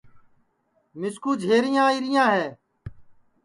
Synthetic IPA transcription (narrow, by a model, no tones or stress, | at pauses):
mɪskuːd͡ʒʱeːɾɪjãːiːɾɪjãːɦɛː